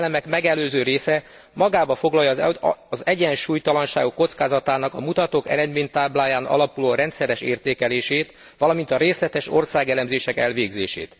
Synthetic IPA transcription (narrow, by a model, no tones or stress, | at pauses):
lɛmɛkmɛɡɛløːzøːɾeːsɛ | mɒɡaːbɒfo̞ɡlɒjɒzɛɟɛnʃuːjt̪ɒlɒnʃa̰ːɡukːo̞t̪skaːzɒt̪aːnɒkɒmut̪ɒt̪oːkɛ̰ɾɛd̪meːɲt̪aːblaːjaːnɒ̰lɒpuloːɾɛnt̪sɛɾɛʃḛːrt̪eːkɛleːʃeːt̪ | ʋɒlɒmint̪ɒɾeːslɛt̪ɛʃo̞̰rsaːɡɛlɛmzeːʃɛkɛlʋeːɡzḛːʃḛːt̪